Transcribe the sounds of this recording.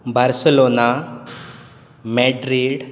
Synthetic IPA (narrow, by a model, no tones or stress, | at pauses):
bʱaɾselona | meɖɾiɖ